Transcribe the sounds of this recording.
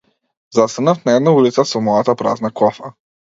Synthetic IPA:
zast̪anafnaɛd̪naulit̪sasɔmɔjat̪apɾa̰znakɔfa

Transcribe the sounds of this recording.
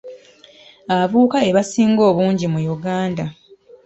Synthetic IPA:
aavuːkae̞βasiːŋɡo̞ːβuːɲɟimujuɡaːnda

